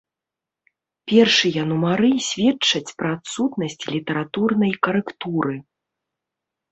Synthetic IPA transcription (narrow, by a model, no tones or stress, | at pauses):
pʲɛrʂɨjɐnumaɾɨsʲvʲɛt͡ʂːɐt͡sʲpɾɐːt̪sut̪nɐsʲt͡sʲlʲit̪ɐɾat̪urnɐjkɐɾɛkt̪uɾɨ